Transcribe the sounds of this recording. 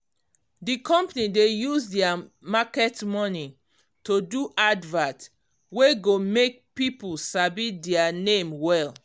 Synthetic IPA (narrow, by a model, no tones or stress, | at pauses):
dikʰɔ̃mpnidejuzdɛamakɛtmɔni | toduʔadvãt | weɡomek̚pipulsabidɛanẽmwɛl